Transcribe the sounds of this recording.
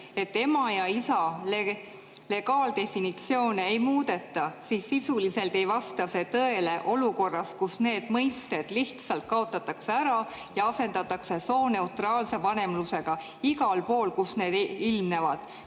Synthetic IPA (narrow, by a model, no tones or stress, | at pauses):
e̞t̪ːe̞mɑjɑisɑle | le̞ɡɑːld̪e̞finit̪sio̞ːneejmuːd̪̥e̞t̪ːɑsiːsːisulise̞lt̪e̞jvɑst̪ɑse̞t̪ɤe̞le̞ʔo̞luko̞rːɑskusne̞ːd̪̥mɤjst̪e̞d̪̥liht̪sɑlt̪̚kɑo̞t̪ːˑɑt̪ːˑɑkse̞æɾɑ | jɑɑse̞nd̪ɑt̪ːˑɑkse̞so̞ːne̞uwt̪rɑːlse̞vɑne̞mluse̞ɡ̥ɑ | iɡɑlpo̞ːlkusne̞ːd̪̥ilmne̞vɑd̪̥